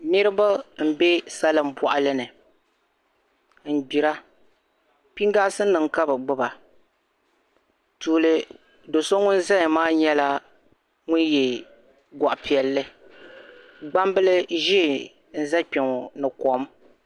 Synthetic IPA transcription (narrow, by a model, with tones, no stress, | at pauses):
nɨ˦ɾɨ˦ba˦m̩˨be˦sa˦lɨ˨m̩˨pɔ˨ʔa˨lɨ˦nɨ˨ | n̩˨bi˨ɾa˦ | pi˦ŋ˦ɡa˦sɨ˦n˦nɨ˨ŋka˦bɨ˨ɡ͡bɨ˦ba˨ | tuː˨lɨ˨ | do˨so˦ŋʊ˦nza˦ɲ˨maː˦ɲɛ˦la˦ | ŋʊ˦njɛ˨ | ɡa˨ʔa˨pi˨ɛ˨lːɨ˦ | ɡ͡ba˦mbɨ˦lɨ˦ʒi˦˨ | n̩˦za˦pɪ˨ŋ˨nɨ˨ko˨m